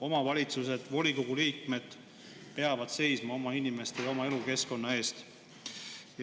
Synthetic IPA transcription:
o̞mɑvɑlʲit̪suse̞d̪̥vo̞lʲikoɡ̥uliːkme̞d̪̥ | pe̞ɑvɑd̪̥se̞jsmɑo̞mɑinime̞st̪ejɑomɑe̞luke̞sko̞nːɑe̞ːst̪ | j

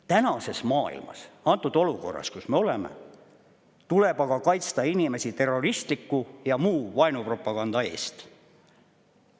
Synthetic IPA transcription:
t̪ænɑse̞smɑːḭlmɑ̰sɑnt̪ːud̪̥o̞luko̞̰rːɑ̰skusme̞o̞lemḛ | t̪ule̞b̥ɑɡ̥ɑkɑjt̪st̪ɑinime̞sit̪e̞rːo̞rist̪likːujɑmuːvɑjnupro̞pːˑɑɡ̥ɑnd̪ɑe̞̰ːst̪

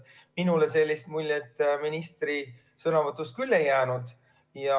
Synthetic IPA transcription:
minulese̞lʲːist̪̚mulʲːet̪ːˑminist̪ri | sɤnɑvɤt̪ːˑust̪̚kylːejæːnud̪̥ | jɑ

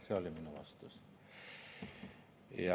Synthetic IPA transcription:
seoliminuɑ̰st̪us | jɑ

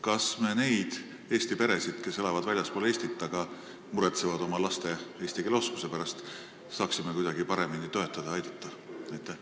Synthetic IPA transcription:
kɑsme̞ne̞jd̪̥ | e̞ːst̪ipe̞ɾe̞sid̪̥ke̞se̞lɑvɑd̪vælʲjɑspole̞ːsʲt̪it̪ːˑɑɡ̥ɑ | muɾet̪sevɑd̪̥o̞mɑlɑst̪e̞e̞ːsʲt̪ikeleo̞sku̥se̞pæɾɑst̪ | sɑːksime̞kujd̪ɑɡ̥ipɑɾe̞minit̪o̞e̞t̪ˑːɑd̪̥ɑɑjd̪̥ɑt̪ˑːɑ | æjt̪ːˑe

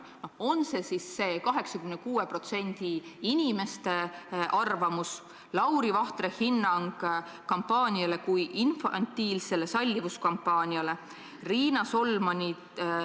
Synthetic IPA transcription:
no̞ho̞nse̞sisːe̞ːkɑɦe̞ksɑkymenekuːepro̞t̪se̞nʲd̪̥iinʲime̞st̪e̞ʔɑrvɑmus | lɑwɾivɑht̪rehinːɑŋɡ̥ | kɑmpːɑːnʲiɑle̞kujʔinfɑ̰nt̪ːiːlse̞le̞sɑlʲːivuskɑmpːɑːnʲiɑle̞ | riːnɑso̞lmɑnʲi

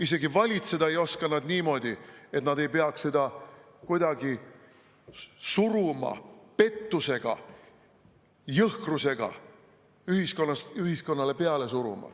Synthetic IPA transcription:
ise̞ɡivɑlʲit̪se̞d̪̥ɑejo̞skɑnɑd̪niːmo̞d̪̥ʲie̞t̪nɑd̪e̞jpeɑksse̞d̪̥ɑ | kujd̪ɑɡi | suɾumɑ̰pe̞t̪ːuse̞ɡ̥ɑ̰ | jɤhkruse̞ɡ̥ɑ̰ | yhiskonːɑsyhisko̞nːɑle̞pe̞ɑle̞suɾṵmɑ̰

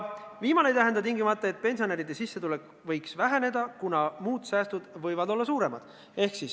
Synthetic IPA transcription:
viːmɑne̞jt̪æɦe̞nd̪ɑt̪iŋɡimɑt̪ːˑeet̪̚ːˑpe̞nʲsione̞ɾid̪̥esisːe̞t̪ule̞kːˑ | vɤ̞jksvæɦene̞d̪ɑkunɑmuːd̪̥sæːst̪ud̪̥vɤ̞jvɑd̪o̞lːɑsuːɾe̞mɑd̪̥ | e̞hksis

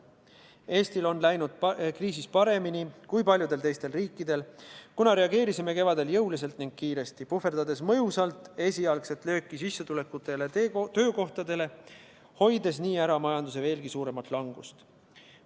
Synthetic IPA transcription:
e̞ːst̪ilo̞nlæjnud̪̥̚kriːs̬ispɑɾe̞minikujpɑlʲjud̪e̞lt̪e̞jst̪e̞lriːkːˑid̪̥e̞lkunɑɾeɑɡe̞ːɾisime̞ke̞vɑd̪e̞ljɤwlis̬e̞lt̪niŋɡ̥̚kiːɾe̞st̪ipufe̞rd̪̥ɑd̪e̞smɤjusɑlt̪ˑe̞sʲiɑlkse̞t̪ˑlø̞ːkːˑisisːɑt̪ule̞kːut̪ːˑe̞let̪ø̞ːko̞ht̪ɑd̪e̞le̞ | ho̞jd̪e̞s̬niːæɾɑmɑjɑnd̪us̬e̞ve̞ːlɡ̥isuːɾe̞mɑt̪ˑlɑŋɡ̥ust̪

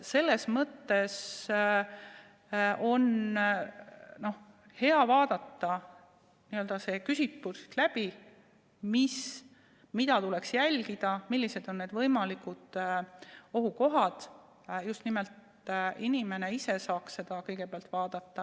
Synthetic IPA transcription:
se̞lːe̞smɤt̪ːe̞s | o̞n | no̞h | he̞ɑvɑːd̪̥ɑt̪ːɑ | niøld̪̥ɑse̞ːkysitːusi̥t̪læb̥i | mis | mid̪ɑt̪uleksjælʲɡ̥id̪̥ɑmilːise̞d̪̥o̞nːeːd̪vɤjmɑlikud̪̥ | o̞ɦuko̞ɦɑd̪̥ | just̪nimɛlt̪ | inime̞ne̞ise̞sɑːksse̞d̪̥ɑkɤjɡ̥e̞peɑlt̪vɑːd̪̥ɑt̪ːɑ

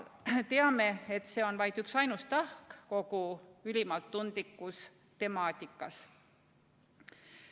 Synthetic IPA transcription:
t̪e̞ɑme̞et̪ːˑse̞ːo̞nvɑjd̪yksɑjnust̪ɑhkko̞ɡuylʲimɑlt̪ːund̪̥likːˑus | t̪e̞mɑːt̪ʲikːˑɑs

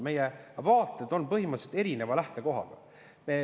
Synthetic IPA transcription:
me̞jevɑːt̪ːˑed̪̥o̞npɤɦimɑt̪set̪eɾine̞vɑlæht̪e̞ko̞ɦɑ̰ɡ̥ɑ | meː

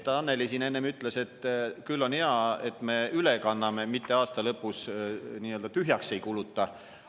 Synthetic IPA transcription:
t̪ːɑnːelisiːne̞nːemyt̪ˑle̞se̞t̪ːkylːo̞neɑe̞t̪ːme̞ylekɑnːɑme̞mit̪ːe̞ɑːst̪ɑlɤpːˑusniːøld̪̥ɑt̪yɦjɑkse̞jkulut̪ːˑɑ

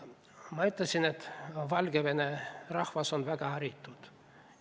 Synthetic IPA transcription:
mɑyt̪ːlɑsʲinet̪vɑlɡ̥evenerɑhvɑso̞nvæɡ̥ɑhɑɾit̪ːˑud̪̥

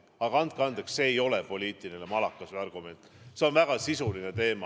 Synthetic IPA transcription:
ɑɡ̥ɑɑnt̪̚kɑnd̪eksse̞ːjo̞lepo̞lʲiːt̪ˑilinemɑlɑkːˑɑseɑrɡ̥ume̞nt̪ˑse̞o̞nvæɡ̥ɑsisuline̞t̪e̞ːmɑ

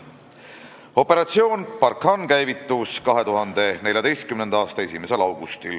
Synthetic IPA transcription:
o̞pːe̞ɾɑt̪sio̞ːnpɑrkhɑnkæjvit̪ːˑuskɑɦe̞t̪uɦɑnd̪̥e̞ne̞lʲjɑd̪e̞jst̪kymnend̪ɑɑːst̪ɑe̞sime̞se̞lɑwɡ̥ust̪il

